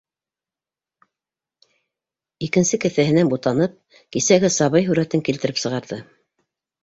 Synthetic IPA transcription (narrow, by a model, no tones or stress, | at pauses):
ikɘ̆nsɘkɘ̆θæhɘ̆nænbut̪ɑnɤp̚ | kisæɡɘsɑβɤjɦʉɾæt̪ɘŋkilt̪ɘ̆ɾɘpsɤ̆ʁɑɾðɤ